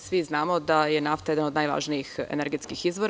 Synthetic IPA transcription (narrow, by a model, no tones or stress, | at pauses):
sʋiznaːmo̞d̪ajenaft̪ajed̪anod̪najʋa̰ʒniixḛneɾɡet̪skixizʋoɾ